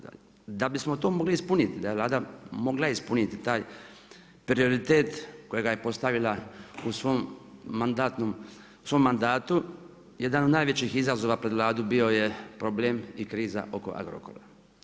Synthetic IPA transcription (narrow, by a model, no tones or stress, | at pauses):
d̪abismo̞t̪oːmo̞ɡliispunit̪id̪ajeʋlˠaːd̪amo̞ɡlaispunit̪it̪aːj | pɾio̞ɾit̪e̞ːt̪kojeɡajepo̞st̪aʋilausʋomand̪aːt̪nom | u̥sʋo̞mːand̪aːt̪u | je̞d̪anod̪naːjʋe̞t͡ɕixizazo̞ʋapɾed̪ʋlaːd̪ubio̞jepɾo̞bleːmikɾiːza̰ʔo̞ko̞ʔa̰ɡɾo̰ko̞̰ɾa̰